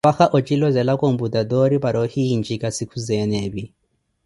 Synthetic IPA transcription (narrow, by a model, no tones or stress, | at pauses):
axaʔɔt͡ʃʼilɔzɛlakʼombud̪ad̪ɔɾipaɾɔhind͡ʒikasikʰuzɛnɛbi